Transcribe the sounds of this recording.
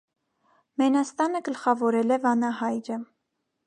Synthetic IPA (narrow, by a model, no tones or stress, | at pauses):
mɛnɑst̪ɑnəɡəlχɑvɔɾɛlɛvɑnɑhɑjɾə